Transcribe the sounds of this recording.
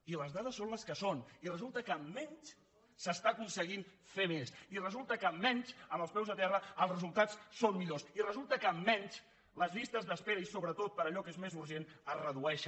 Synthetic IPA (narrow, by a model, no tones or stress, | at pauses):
iləzðaðəsːonləskəsonirəzulˠt̪əkəːmːɛɲt͡ʃ | səst̪akunsəɣ̞infemesirəzulˠt̪əkəːmːɛɲt͡ʃəmbəlˠspɛwzðət̪ɛrəəlˠzrəzulˠt̪at͡ssonmiʎosirəzulˠt̪əkəmːɛnt͡ʃ | ləzβist̪əzðəspeɾəisoβɾət̪ot̪̚pəɾəʎɔkezmezuɾʒenərəðuɛʃə